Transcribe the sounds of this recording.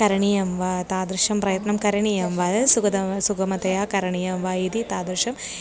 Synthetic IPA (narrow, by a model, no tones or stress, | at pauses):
kɐɾɐɳijɐmʋat̪aːd̪ɾɨʂɐmprɐjɐt̪nɐmkɐɾɐɳijɐmʋɐːdɐsukɐd̪ɐsukʰɐmɐt̪ɐjaːkɐɾɐɳijɐmʋaːjid̪it̪aːd̪ɾʂɐm